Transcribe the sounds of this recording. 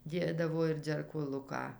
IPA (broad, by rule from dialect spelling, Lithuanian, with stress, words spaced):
ˈdʲeːdɐʋoː ɪr d͡zʲɛrkoːˈlˠʊkɑː